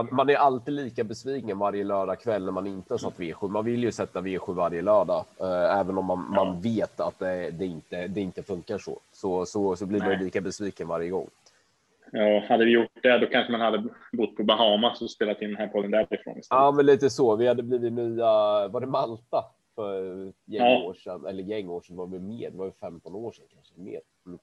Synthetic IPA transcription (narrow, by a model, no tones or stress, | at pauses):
manmanæɾʔalt̪iːd̪liːkabɛsviːkənvaɾjəlœːɖakʰvɛlːnæɾmanɪnt̪əasat̪ːveːɧʉmanvɪlːjɵsɛt̪ːaveːɧʉvaɾjəlœːɖaɛːvənɔmːanmanveːt̪at̪̚d̪ɛd̪ɛɪnt̪əd̪ɛɪnt̪əfɵŋkaʂɔ̰sɔsɔsɔblɪɾmanjɵliːkabɛsviːkənvaɾjəɡɔ̰ŋː | jɑːhad̪ːəvɪjʊʈɖɛd̪ɔkʰanɧəmanhad̪ːəbʊt̪ːpʰɔbaɦɑːmasɔspeːlat̪ɪnd̪ɛnhæːpʰɔd̪ːənd̪æɾɪfɾo̰ːnɪst̪ɑːmɛnliːt̪əsɔvɪhad̪ːəbliːvɪt̪nyːavaɖɛmalt̪a | fœɾjɛo̰ːʂɛnɛ̰lːəɾjɛŋːoːʂɛnvaɾvɪmeːd̪ɛvaɾfɛmt̪ɔnoːʂɛnkʰanʂəmḛːɾ | m̩